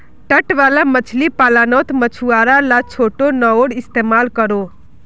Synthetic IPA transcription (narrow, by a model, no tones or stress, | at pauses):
ʈəʈʋaːlamət͡ʃʰlipaːlaːnoːt̪mət͡ʃʰuaːɾalat͡ʃʰoːʈonəoɽɪst̪emaːlkəɾo